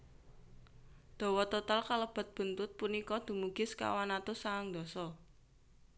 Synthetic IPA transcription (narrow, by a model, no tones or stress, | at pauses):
d̪̥ɔ̤wɔt̪ot̪alkaləb̥ə̤t̪̚b̥ə̤nt̪ʊt̪̚punikɔd̪̥ṳmuɡ̥ɪ̤ska̰wanat̪osaaŋd̪̥ɔ̤sɔ